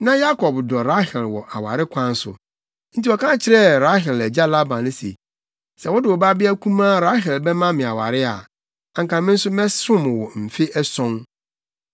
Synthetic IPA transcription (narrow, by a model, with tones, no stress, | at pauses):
nã˦ja˦kʰɔ˨bdɔ˨ɾa˦hɛ˨lwɔ̰˨ʔa˨wa̰˨ɾɪ˦kʷʰã˦n˦sʊ̰˨ | n̩˦ti˦wɔ˨kʰã˦t͡ɕʰɪ˦ɾɛ˦ɾa˦ɦɛ˨lɛ˨d͡ʑa˦la˦bã˨nɪ̃˦sḛ˨ | sɛ˨wɔ˦dɪ˨wɔ˨ba˦bɪ˦a˦kʰũ˦mã˦ɾa˦ɦɛ˨lbɛ˦mã˦mɪ̃˨a˨wa̰˨ɾɪ˦a̰˨ | ã˨ŋ˨kʰã˨mɪ̃˦n̩˦sʊ˦mɛ̃˦sʊ̃˦m˨wɔ˨m̩˨fɪ˦ʔɛ˦sɔ̃˦n